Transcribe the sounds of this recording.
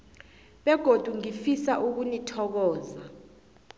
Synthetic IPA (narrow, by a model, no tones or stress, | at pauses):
ɓɛɡ̥ʱod̥ʱuŋifisaʔuk̬unitʰɔk̬ɔːza